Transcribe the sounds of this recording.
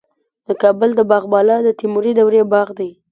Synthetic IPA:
d̪̥əkɑbəld̪əbɑɣbɑlɑd̪ət̪imuɾid̪awɾebɑɣd̪aj

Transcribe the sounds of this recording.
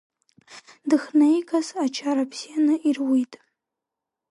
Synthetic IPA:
dɨχnejkʰʼasat͡ʃʰaɾapʰsijanɨʔirwitʼ

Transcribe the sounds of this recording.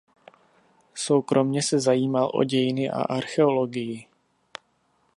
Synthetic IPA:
so̞wkɾʔo̞mɲɛsɛzajiːmalʔo̰ɟɛjɪnɪʔa̰ʔaɾxɛolo̞ɡɪjɪ

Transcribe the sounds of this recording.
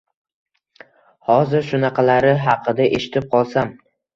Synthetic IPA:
hɒzɪɾʃʊnɑqʰɑlaɾɪɦɑqʰɨd̪aʔeʃɪ̥t̪ʰɪp̚qʰɒlˠsam

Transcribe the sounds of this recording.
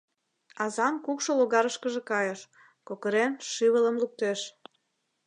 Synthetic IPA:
ɑzɑnkukʃoloɣɑɾəʃkəʒekɑjəʃ | kokəɾenʃiβələmluk̚t̪eʃ

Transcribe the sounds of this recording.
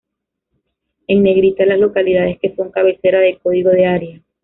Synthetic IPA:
e̞ŋne̞ɣɾit̪alazlo̞kaliðaðe̞ske̞foŋkaβe̞se̞ɾaðe̞ko̞ðiɣo̞ðeaɾja

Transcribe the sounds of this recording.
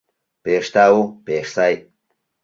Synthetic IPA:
peʂt̪aupeʂsaj

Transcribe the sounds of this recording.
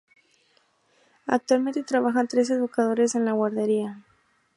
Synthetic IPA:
a̰k̚t̪walmẽ̞nt̪e̞t̪ɾaβaxant̪ɾe̞s̬e̞ðukaðo̞ɾe̞se̞nlaɣwaɾðe̞ɾia

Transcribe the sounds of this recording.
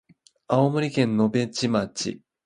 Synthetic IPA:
aomo̟ɾʲikẽ̞nːo̞bẽ̞t͡ɕimat͡ɕḭ

